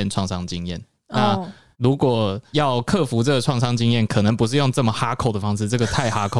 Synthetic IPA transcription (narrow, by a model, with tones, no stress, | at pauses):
ɛ˥˨nʈ͡ʂʰwɑ˥˩ŋsɑ˥ŋt͡ɕi˦˥ŋjɛ̰˥˨n | na˥˩ | lu˧˦˥kwɔ˨˩jɑ˥˨˧ʊkʰɤ˥˨fu˧˥t͡sɤ˥˩ɡə˩ʈ͡ʂʰwɑ˥˩ŋʂɑ˥ŋt͡ɕi˥ŋjɛ˥˩nkʰɤ˨˩nə˧˦ŋpu˧ʂɻ̩˥˧jo˥˧ŋʈ͡ʂɤ˥˩mə˩xa˥kʰo˨˩ʊd̪ə˩fɑ˥ŋʂɻ̩˥˧ʈ͡ʂɤ˥˩ɡə˩t̪ʰa˥˧ɪxa˥kʰo˨